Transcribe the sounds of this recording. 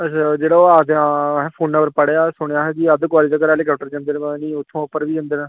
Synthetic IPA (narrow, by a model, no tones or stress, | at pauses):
əad͡ʒeːɽaːoaːd̪ãpʰoːnːəʋəɾpəɽeaːsʊɳejaːɦɛd͡ʒiːəd̪k̬waːlɪd͡ʒakəɾɛːleːkaːp̚ʈəɾd͡ʒãːnd̪eːnnĩːʊt̪ʰːõːʊpːəɾʋiːd͡ʒãːnd̪eːnãː